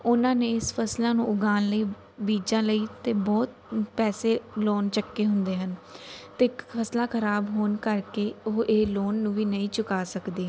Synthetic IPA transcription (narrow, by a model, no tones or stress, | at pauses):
ʊnãːneːɪspʰəslaːnũːʔʊɡaːnləiː | biːd͡ʒãːləiːt̪eːbɔːt̪̚pɛːseːloːnt͡ʃəkːeːɦʊnd̪eːɦənt̪eːkpʰəslãːkʰəɾaːbɦoːnkəɾkeːʊʔeːloːnːũːʋiːnəĩːt͡ʃʊkaːsəkd̪eː